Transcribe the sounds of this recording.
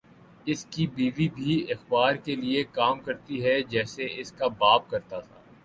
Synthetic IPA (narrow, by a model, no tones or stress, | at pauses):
ɪskibiːʋibʱiɪxbaːɾkeliekaːmkɐɾt̪iɦɛd͡ʒɛːseɪskabaːb̚kɐɾt̪at̪ʰa̰ː